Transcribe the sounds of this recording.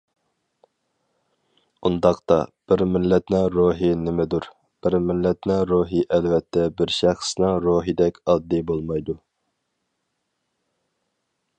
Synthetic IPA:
und̪ɑqt̪ɑ̰b̥ɪɾmɪlːɛt̪nɪŋɾoɦinɪmɛd̪uɾ | b̥ɪɾmɪlːɛt̪nɪɾoɦiʔɛlvɛt̪ʰːɛbɪɾʃæχsnɪŋɾoɦid̪ɛkʲɑd̪ːibolˠmɑjd̪u

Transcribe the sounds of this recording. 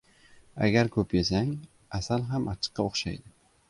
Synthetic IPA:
a̰ɡʲaɾkʰɵpjesaŋ | asalɦamʔat͡ʃʰɨ̥qːɑoχʃa̰jd̪ɪ

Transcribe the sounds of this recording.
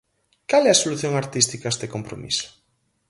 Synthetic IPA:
kalɛasoluθjoŋaɾt̪ist̪ikaest̪ekompɾo̰mḭso̥

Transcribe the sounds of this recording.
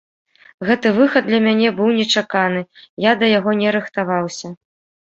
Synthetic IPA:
ɣɛt̪ɨvɨxɐd̪̚d̪lʲɐmʲanʲɛbɨwnʲɛt͡ʂakan̪ɨjad̪ɐjaɣɔnʲɛɾɨxt̪avawsʲɐ

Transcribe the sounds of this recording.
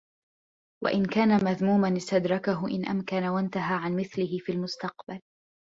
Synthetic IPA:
wa̰ʔɪnkaːnamaðmuːmanɪst̪ad̪ɾˤɑkaɦʊʔɪ̰nʔa̰mkanawant̪aɦaːʕanmɪθlɪɦɪfiːlmʊst̪ɑqbal

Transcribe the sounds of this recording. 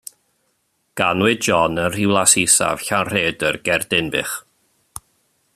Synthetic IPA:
ɡ̥anwɪdd͡ʒɔnənr̥ɪwlˠasisa̰v̥ɬanr̥eːdərɡɛrdɪnbɪ̰χ

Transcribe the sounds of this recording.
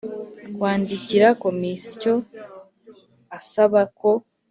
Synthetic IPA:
kwaːndiciɾako̞misi̥co̞ | asaβako̞

